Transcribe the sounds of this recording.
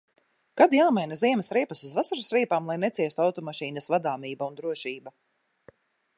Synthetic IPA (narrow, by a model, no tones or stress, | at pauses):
kad̪jaːmajnaziɛmɛsɾiɛpasuzvasaɾusɾiɛpaːmlˠajnɛt̪siɛst̪uawt̪ɔmaʃiːnɐsvad̪aːmiːbaund̪ɾuɔʃiːba